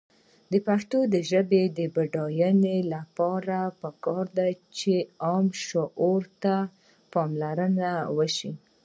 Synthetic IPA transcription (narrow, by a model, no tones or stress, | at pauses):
d̪əpakt̪od̪əʒəbed̪əbaɖɑjənelapɑɾapəkɑɾd̪at͡ʃeɑmʃoʔoɾt̪a | pɑmlaɾənawəʃi